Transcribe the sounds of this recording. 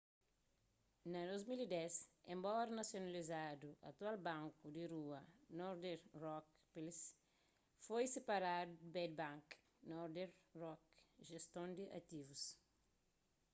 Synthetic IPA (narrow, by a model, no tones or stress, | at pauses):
nɐd̪ozmilid̪ɛsẽmbɔɾɐnɐsjonalizad̪uʔɐ̰t̪ualbãŋkud̪iɾuɐnɔɾd̪eɾrɔk | pils | fojsepaɾad̪ud̪bɛd̪̚bãŋk | nɔɾd̪eɾrɔkʒest̪õnd̪iʔɐ̰t̪ivus